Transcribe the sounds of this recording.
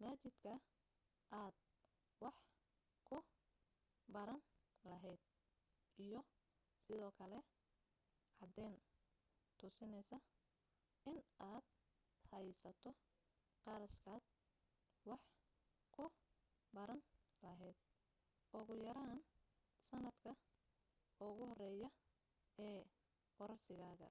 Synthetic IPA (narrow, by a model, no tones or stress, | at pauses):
maːt͡ʃɪd̪kʰɐ | ʔaːd̪̥̚ | wɑħ | kʰʊ | bɐɾɐnlɐɦɛjd̪̥̚ | ʔijɞ | sɪðɔːkʰɐlɛ | ʕɑd̪ɛːn | t̪ʰʊsɪnɛjsɐ | ɪnaːd̪̚ | hɛjsɐt̪ʰɔ | qɑɾɐʃkʰaːd̪̚ | wɑħ | kʰʊ | bɐɾɐn | lɐɦɛjd̪̥̚ | ʔɔɣʊjɐɾaːn | sɐnɐd̪kʰɐ | ʊɣʊhɔrɛːjɐ | ɛː | ɡɔɾɐrsɪɣaːɣɐ̰